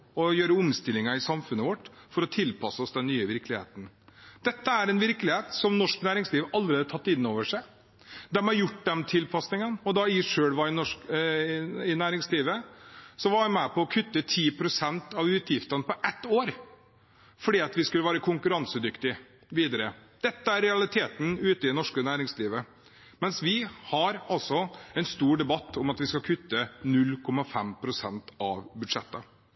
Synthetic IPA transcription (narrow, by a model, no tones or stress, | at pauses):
ɔjøːɾəʊmst̪ɪlːɪŋɑɪsɑmfʉnːəʋɔʈːfɔɾɔt̪ʰɪlpʰɑsəɔsd̪ɛnːyːəʋɪɾklɪhḛːt̪n̩d̪̥ɛt̪ːəæɾɛnʋɪɾklɪheːt̪sɔmnɔʂknæːɾɪŋsliːʋɑlːəɾeːd̪ət̪ʰɑt̪ːɪnːoːʋəʂæɪ | d̪ɛmɑɾjʊʈːd̪ɛmt̪ʰɪlpʰɑsnɪŋənɔd̪ɑɪʂøːɽʋɑɪnɔʂk | ɪnæːɾɪŋsliːʋəsɔʋɑɾʋæɪmæpʰɔɔkʰʉt̪ːət̪ʰiːpʰɾʊsɛnt̪ɑʋʉːt̪jɪft̪ɑnpʰɔʔɛt̪ːoːɾ | fɔɖiːɑt̪ʋɪskʉlːəʋæːɾəkʰʊŋkʉɾɑnsəd̪ʏkt̪ɪ | ʋiːd̪əɾəd̪̥ɛt̪ːəæɾɾɛɑlɪt̪ʰeːt̪n̩ʉːt̪əɪd̪ɛnɔʂkənæːɾɪŋsliːʋə | mɛnsʋɪhɑɾɑlsɔɛɪnst̪uːɖɛbɑt̪ːɔmɑt̪ʋɪskɑlkʰʉt̪ːənʉlːkʰɔmɑfɛmpʰɾʊsɛnt̪ɑ̰ʋbʉd̪ʂɛt̪ːə